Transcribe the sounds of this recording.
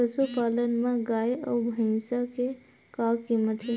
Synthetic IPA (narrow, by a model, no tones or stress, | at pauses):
əsupaːlənmẽɡaːeɔːbʱəɪ̃sake | kaːkkimːət̪ʰɦe